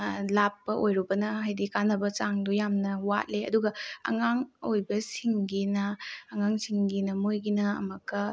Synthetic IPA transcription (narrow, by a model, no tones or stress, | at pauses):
lapːɐʔojɾubɐnɐɦajdikanɐbɐt͡ʃaŋdujamnɐwa̰t̚leɐ̰duɡɐɐ̰ŋaŋojbɐsiŋɡinɐːŋaŋsiŋɡinɐmojɡinɐɐ̰mɐkɐ